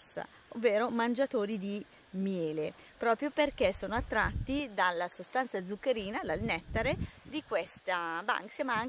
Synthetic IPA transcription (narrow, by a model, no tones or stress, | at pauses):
sːa̰ | ovːeːɾomand͡ʒat̪oːɾid̪i | mjɛːle | pɾɔːpɾjoperk̟esːoːnoat̪ːɾat̪ːid̪alːasost̪ant̪sad̪zukːeɾiːnad̪alnɛt̪ːaɾed̪ikwest̪aba̰ŋksamaaŋ